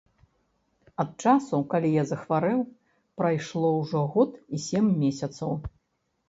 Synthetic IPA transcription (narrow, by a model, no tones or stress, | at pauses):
ɐt̪̚t͡ʂasukalʲijazɐxvaɾɛw | pɾajʂlˠɔwʐɔɣɔt̪isʲemːʲesʲɐt̪sɐw